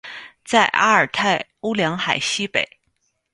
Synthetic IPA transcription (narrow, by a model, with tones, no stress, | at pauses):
t͡sa˥˧ɪʔa̰˥ə˞˨˩t̪ʰa˥˩ɪu˥ljɑ˧˥ŋxa˨˩ɪɕi˥pe˨˩˦ɪ